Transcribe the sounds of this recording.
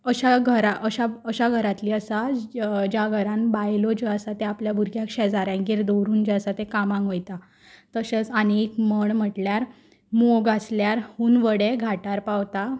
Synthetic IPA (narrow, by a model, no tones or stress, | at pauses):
əɕaɡʱəɾaʔəɕaəɕaɡʱəɾat̪liːəsad͡ʑjaɡʱəɾãnbajlɔd͡ʑeasat̪eapljabʱuɾɡʱjakʂɛd͡zaɾãŋɡiɾd̪owɾuːnd͡ʑeasat̪ekamãŋɡojt̪a | t̪əset͡saniekməɳm̤əʈljaɾ | moɡasljaɾhuːnʋəɽeɡʱaʈaɾpawt̪a